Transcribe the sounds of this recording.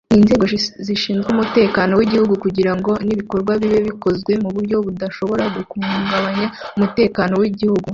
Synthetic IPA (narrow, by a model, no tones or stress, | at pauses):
inze̞ːɡo̞ziʃiːnzɡumute̞ːkano̞wiɟihuɡukuɟiɾaŋɡo̞niβiko̞ɾɡwaβiβeβiko̞zɡwe̞muβuɾɟo̞βudaʃo̞βo̞ɾaɡukuŋɡaβaɲaumute̞ːkano̞wiɟihuɡu